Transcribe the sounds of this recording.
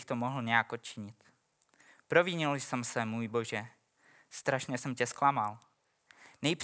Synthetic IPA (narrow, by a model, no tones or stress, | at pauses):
xt̪omoɦl̩ɲɛjakʔot̪̚t͡ʃɪɲɪt̪ | pɾo̞viɲɪlsɛmsɛmuːjbo̞ʒɛ | st̪ɾaʃɲɛsɛmcɛsklamal | nɛjp